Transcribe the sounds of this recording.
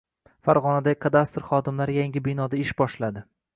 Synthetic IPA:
faɾʁɒnad̪aɪkʰad̪ast̪ɾχɒd̪ɪmlaɾjaŋʲɪbɪnɒd̪aɪʃbɒʃlad̪ɪ

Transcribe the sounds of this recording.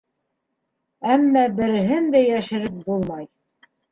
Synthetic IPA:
æmːæbɘ̆ɾɘ̆ɦɘnd̪æjæʃɘ̆ɾɘp̚bulˠmɑj

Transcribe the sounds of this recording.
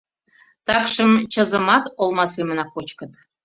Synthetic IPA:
t̪ɑkʃəmt͡ɕəzə̆mɑt̪olˠmɑsemə̆nɑkot͡ɕkə̆t̪

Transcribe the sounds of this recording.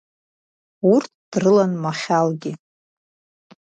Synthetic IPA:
urtʰd̥rɨlanmaχʲalɡʲɪ

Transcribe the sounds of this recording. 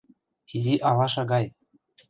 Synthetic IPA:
izʲiʔɑlɑʃɑɡɑj

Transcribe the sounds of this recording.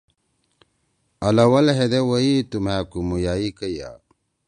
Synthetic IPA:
ɐlɐwɐlɦed̪ewɐit̪umhaːkumujaːikəja̰ː

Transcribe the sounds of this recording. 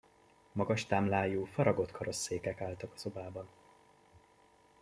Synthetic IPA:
mɒɡɒʃt̪aːmlaːjuːfɒɾɒɡo̞t̪kʰɒɾo̞sːeːkɛkaːlt̪ɒkɒ̥zo̞baːbɒn

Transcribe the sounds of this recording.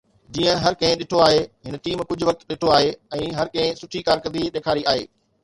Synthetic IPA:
d͡ʑiːə̃ɦɐɾkɐ̃ɦɪ̃ɗɪʈʰoaːɦeɦɪnəʈiːmkʊd͡ʑʱʊʋɐk̚t̪ɗɪʈʰoaːɦeɛ̃ːɦɐɾkɐ̃ɦɪ̃sʊʈʰikaːɾkɐ̃d̪iɗ̪eːkʰaːɾiaːɦḛː

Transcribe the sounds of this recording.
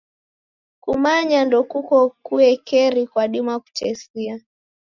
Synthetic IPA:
kumaɲandɔkukɔkuɛkɛɾikwaɗimaku̥t͡ʃɛsia

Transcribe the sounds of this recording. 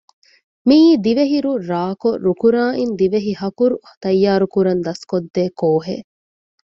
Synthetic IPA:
miːd̪iʋeɦiɾuɾaːkoɾukuɾaːʔind̪iʋeɦihɐkuɾu | t̪ɐjːaːɾukuɾɐnd̪ɐskod̪ːeːkoːɦḛː

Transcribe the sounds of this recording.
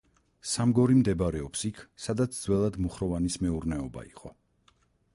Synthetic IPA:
samɡɔɾimd̪ɛbɾɛɔpsikʰsad̪at̪sʰd̪zwɛlˠad̪muχɾɔvanismɛuɾnɛɔba̰ḭqʼɔ

